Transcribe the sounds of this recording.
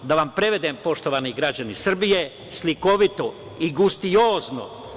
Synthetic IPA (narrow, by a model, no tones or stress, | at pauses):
d̪aʋampɾe̞ʋe̞d̪eːmpo̞ʃt̪o̞ʋaːniɡɾad͡ʑanisr̩bije | sliko̞ʋit̪o̞ | iɡust̪ijoːzno̰